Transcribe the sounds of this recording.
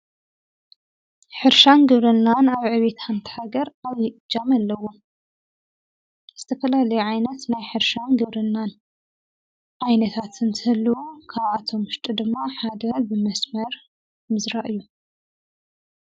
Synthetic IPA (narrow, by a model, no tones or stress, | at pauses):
ħɨɾʃanɡɨβɾɨnːanaβʕɨβe̞t̪hant̪ʰi̥ħaɡɐɾaβjɪʔɨd͡ʒːamalːɐwo | z̥ɨt̪ʰɐfɐlalɐjuʕajnɐt̪najħɨɾʃanɡɨβɾɨnːan | ʕajnɐt̪ʰat̪ʰɨnt̪ʰɨhɨlːuwukʰaβʕat̪ʰo̞mɨʃt̪ʼid̪ɨmːaħad̪ɐbɨmɐsmɐɾ | mɨzɾaʔɨjːu